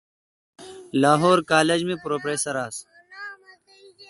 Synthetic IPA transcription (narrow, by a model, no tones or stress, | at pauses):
laːɦoːɾkaːled͡ʑmẽpɾoːpɾeːsɐɾaːs